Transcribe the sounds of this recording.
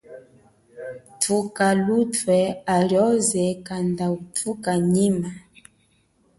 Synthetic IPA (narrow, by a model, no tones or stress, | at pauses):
tʰukalutwɛaljɔzɛkandautʰukaɲima